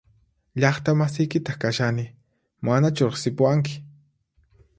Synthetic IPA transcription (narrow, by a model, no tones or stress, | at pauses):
ʎɑχt̪amasɪjkɪt̪ɑχkaʃanɪ | manat͡ʃʊɾɑχsɪpʊwaŋk̬ɪ̥